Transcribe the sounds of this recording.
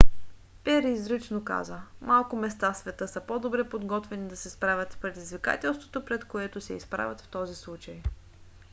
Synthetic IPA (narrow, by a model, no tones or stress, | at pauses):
pɛɾiːzɾit͡ʃnoka̰zəmalˠkʊmɛst̪afsvɛt̪ɤsəpɔd̪obɾɛpod̪ɡɔt̪vɛnid̪ɐsɛspɾavʲət̪spɾɛd̪izvika̰t̪ɛlˠst̪vot̪opɾɛt̪koɛt̪osɛispɾa̰vʲɐt̪ft̪ɔzislˠut͡ʃɐj